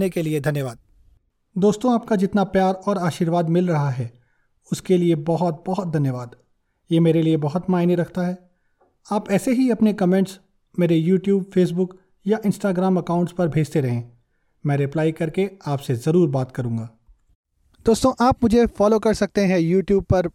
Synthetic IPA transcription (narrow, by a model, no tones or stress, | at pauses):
nekelied̪ʱɐnjəʋaːd̪̚ | d̪oːst̪õaːp̚kad͡ʒɪt̪napjaːɾɔːɾaːʃiːɾʋaːd̪mɪlɾɐɦaɦɛː | ʊskeliebɐɦɔt̪̚bɔɦʊt̪̚d̪ʱɐnjəʋaːd̪ | jeːmeːɾeliebɐɦʊt̪maːɪneɾɐkʰt̪aɦɛː | aːpɛːseɦiɐpnekɐmẽɳʈs | meːɾejuːʈjuːbfeːs̬bʊk | jaʔɪ̃nsʈaːɡɾaːmɐkaːʊ̃ɳʈspɐɾbʱeːd͡ʒt̪eɾɐɦẽː | mɛ̃ːɾɪplaːikɐɾkeaːpsezɐɾuːɾbaːt̪kɐɾũːŋɡaː | d̪̥oːst̪õʔaːpmʊd͡ʒʱefɔːlokɐɾsɐk̚t̪eɦɛ̃juːʈjuːbpɐɾ